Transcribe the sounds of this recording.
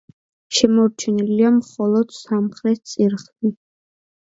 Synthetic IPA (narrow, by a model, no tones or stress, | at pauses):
ʃɛmɔɾt͡ʃʰɛniliamχɔlˠɔd̪̥samχɾɛt̪̚t̪sʼiɾχd̪i